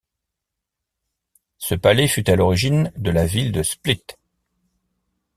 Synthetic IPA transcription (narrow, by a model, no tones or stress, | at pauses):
səpalɛfyt̪alɔʁiʒind̪əlavild̪əsplit̪